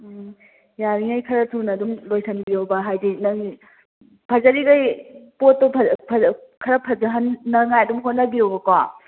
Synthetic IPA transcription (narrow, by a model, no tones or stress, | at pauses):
jaɾiŋajkʰɐɾɐtʰunɐdumlojsʰɐnbiɾowbɐɦajdinɐŋi | pʰɐzɐɾiɡajpotːopʰpʰkʰɐɾɐpʰɐzɐɦɐnːɐŋajɐdumɦot̚nɐbiɾowbɐkwa